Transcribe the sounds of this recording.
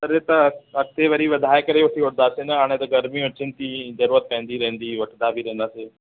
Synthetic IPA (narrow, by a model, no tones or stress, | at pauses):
t̪ɐɾet̪ɐɐk̚t̪eʋɐɾiʋɐd̪ʱaːekɐɾeʋɐʈʰioʈnd̪aːsenɐɦaːɽ̃ẽt̪ɐɡɐɾmiʊt͡ʃɪnt̪izɐɾuːɾət̪̚pɛ̃ɦnd̪iɾɛ̃ɦə̃nd̪iʋɐʈʰnd̪abʱiɾɛ̃ɦnd̪aːseː